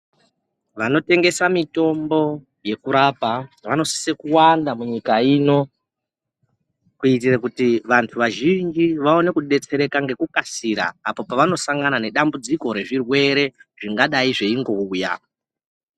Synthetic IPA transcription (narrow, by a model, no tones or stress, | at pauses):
ʋano̞te̞ŋɡe̞samito̞mbo̞ | je̞kuɾapaʋano̞si̥sekuwandamuɲikaino̞ | kuitirakutiʋantʰuʋaʒind͡ʒiʋao̞ne̞kuɗe̞t͡se̞ɾe̞kaŋɡe̞kukasiɾa̰ːpo̞paʋano̞saŋɡanane̞ɗambud͡ziko̞ɾe̞ʐirwe̞ɾe̞ʐ̥iŋɡaɗaiʐe̞iŋɡo̞uja̰